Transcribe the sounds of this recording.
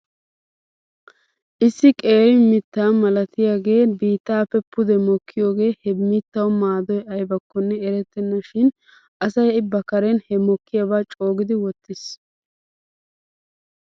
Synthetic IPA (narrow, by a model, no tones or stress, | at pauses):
ʔɪsːɪkʼe̞ːɾɪmɪt̪ːaːmɐlɐt̪ɪjaːɡe̞ːbiːt̪ːaːpːɛpːʊd̪ɛmɔkʰːɪjo̞ːɡe̞ːhɛmɪt̪ːɐwmaːd̪ɔjɐjbɐkːɔnːɛɛɾɛt̪ːɛnːɐʃɪn | ʔɐsɐjɪbːɐkɐɾɛnhɛmɔkʰːɪjabaːt͡ʃʼo̞ːɡɪd̪ɪwɔt̪ːɪs